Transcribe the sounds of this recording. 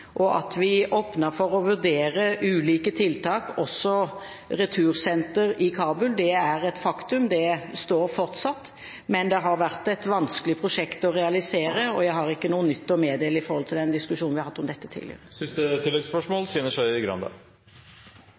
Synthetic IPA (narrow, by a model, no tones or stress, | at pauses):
ʔɔʔɑ̰t̪ʋɪoːpnəfɔɾɔʋʉɾd̪eːɾəʔʉːliːkət̪ʰɪlt̪ʰɑːkɔsːɔ | ɾɛt̪ʰʉːɾsɛnt̪əɾɪkʰɑːbʉld̪ɛæʁɛt̪fɑkt̪ʉmd̪ɛst̪oːɾfɔʁt̪sɑt̪ː | mɛnd̪ɛɦɑɾʋæʁt̪ɛt̪ʋɑnskəlɪpʰʁʊʂɛkt̪ɔʁɛɑlɪseːɾəɔjæɪɦɑʁɪkːənuːənʏt̪ːɔmeːd̪eːləɪfɔɾhɔlt̪ʰɪld̪ɛnd̪ɪskʉʂuːnʋɪhɑɾhɑt̪ːɔmd̪ɛt̪ːət̪ʰḭːlɪ̰ə̰ʁəsɪst̪ət̪ʰɪlːɛɡspœʂmoːlsyːnəʂæɪɪɡɾɑ̰nd̪ɑ̰